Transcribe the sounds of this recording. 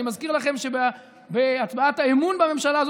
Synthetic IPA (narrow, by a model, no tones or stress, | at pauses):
imazkiʁlaχe̞mʃeb | beat͡sbaataemunbame̞mʃalaːz